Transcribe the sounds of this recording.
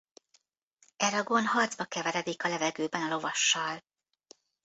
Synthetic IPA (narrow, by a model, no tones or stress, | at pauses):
ɛɾɒɡo̞nɦɒrd̪zbɒkɛvɛɾɛd̪ikɒlɛvɛɡøːbɛnɒlo̞vɒʃːɒl